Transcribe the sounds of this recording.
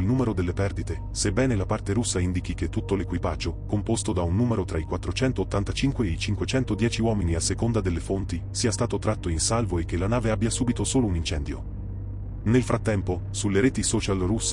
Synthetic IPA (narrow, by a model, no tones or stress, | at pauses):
lnuːmeɾod̪elːepɛrd̪it̪e | sebːɛːnelapart̪eɾusːaind̪ik̟ik̟et̪ːut̪ːolekwipad͡ʒːokompost̪od̪aunːuːmeɾot̪ɾaikwat̪ːɾot͡ʃɛnt̪oːt̪ːant̪at͡ʃiŋkweeit͡ʃiŋkwet͡ʃɛnt̪od̪jɛːt͡ʃiwɔːminiasːekond̪ad̪elːefont̪i | siːast̪aːt̪ot̪ɾat̪ːoinsalvoek̟ːelanaːveabːjasuːbit̪osoːlounint͡ʃɛnd̪jo̰ | nelfɾʔat̪ːɛmpo | sulːeɾɛːt̪isɔːt͡ʃalrusː